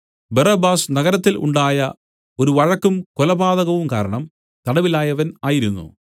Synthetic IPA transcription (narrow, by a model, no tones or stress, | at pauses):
bɐrɐbaːsnɐɣɐɾɐt̪ːilʔṵɳɖaːjɐ | o̞ɾuʋɐɻɐkːumkolɐbaːðɐɣɐʋumkaːɾɐɳɐm | t̪ɐɽɐʋilaːjɐʋɐnaːjiɾunːṵ